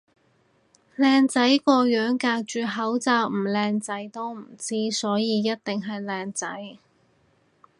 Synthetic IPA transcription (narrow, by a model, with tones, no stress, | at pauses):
lɛː˧ŋt͡sɐ˨˥jkɔː˧jœː˨˥ŋkaː˧k̚t͡ʃyː˨˩ɦɐ˨˥wt͡sɐ˨˧wm̩˨˩lɛː˧ŋt͡sɐ˨˥jt̪o˥wm̩˨˩t͡siː˥sɔː˨˥jiː˨˧jɐ˥t̚t̪ɪ˨ŋɦɐ˨jlɛː˧ŋt͡sɐ˨˥j